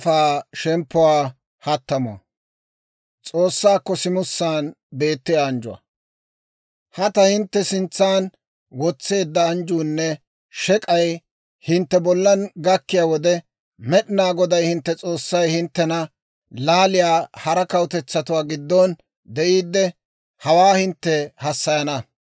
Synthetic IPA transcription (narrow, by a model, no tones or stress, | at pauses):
faːʃɛmpːʊwaː | hɐt̪ːɐmʊɐ̰ | t͡sʼo̞ːsːaːkːɔsɪmʊsːaːn | be̞ːt̪ːɪjaːnd͡ʒʊwɐ̰ | hɐt̪ɐhɪnt̪ːɛsɪnt͡sːaːn | wɔt͡sːe̞ːd̪ːɐːnd͡ʒuːnːɛ | ʃɛkʼɐj | hɪnt̪ːɛbɔlːɐnɡɐkːɪjaːwɔd̪ɛ | mɛɗɪnaːɡɔd̪ɐjhɪnt̪ːɛt͡sʼo̞ːsːɐjhɪnt̪ːɛnɐ | laːlɪjaːhɐɾɐkɐwt̪ɛt͡sːɐt̪ʊwaːɡɪd̪ːɔn | d̪ɛʔiːd̪ːɛ | hɐwaːhɪnt̪ːɛhɐsːɐjɐnɐ